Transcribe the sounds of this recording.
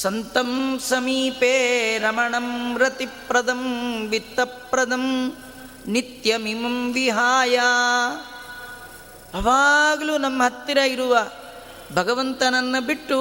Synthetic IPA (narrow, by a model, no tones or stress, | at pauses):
sɐnt̪ɐmsɐmiːpeːɾɐmɐɳɐmɾɐt̪ipɾɐd̪ʱɐmʋit̪ɐpɾɐd̪ʱɐm | nit̪jɐmimɐmʋiɦaːjaː | ɐʋaːɡɐluːnɐmːɐɦɐt̪ːiɾɐiɾuʋɐ | bʱɐɡɐʋɐnt̪ɐnɐnːɐbiʈːu